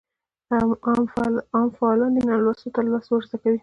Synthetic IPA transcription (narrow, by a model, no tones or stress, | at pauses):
am | ɑmfaɑlɑnd̪ənalwasot̪alɑswaɾzakawi